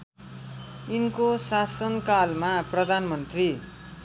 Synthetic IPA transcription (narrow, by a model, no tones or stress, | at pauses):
inkosasʌnkalmaprʌd̪ʱanmʌnt̪ri